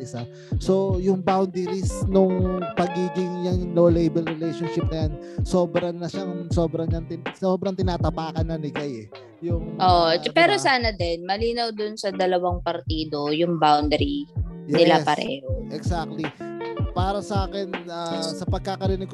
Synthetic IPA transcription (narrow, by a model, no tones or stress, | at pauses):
ʔɪsa | so̞jʊŋbawnd̪ɛɾisnʊŋpɐɡiːɡɪŋjɐŋnolejbɛlɾɛlejʃonʃɪp̚nɐjan | so̞ːbɾɐnɐʃaso̞ːbɾɐŋɲɐŋt̪ɪnsoːbɾɐŋt̪ɪnaːt̪ɐpaːkɐnːɐnɪkajɛ | jʊŋʔoʔpɛːɾosaːnɐd̪ɛnmɐliːnɐwd̪ʊnsɐd̪ɐlɐwaŋpɐɾt̪iːd̪o̞jʊŋbawnd̪ɛɾijɛɪlaspɐɾɛ̰ːɦoʔɛɡsak̚t̪lipaːɾɐsɐʔaːkɛnʔasɐpɐɡ̚kakɐɾɪnɪɡ̚k